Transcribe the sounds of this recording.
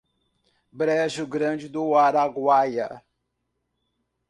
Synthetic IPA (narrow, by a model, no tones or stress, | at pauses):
bɾɛʒʊɡɾɐ̃d͡ʒɪd̪ʊaɾaɡwajɐ̰